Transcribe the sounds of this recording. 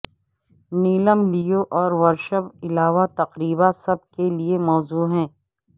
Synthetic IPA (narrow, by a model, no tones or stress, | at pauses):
niːləmlijoʔɔːɾʋɐɾʃəbɪlaːʋat̪ɐqɾiːbasɐb̚keliemɔːzuːɦɛ̃ː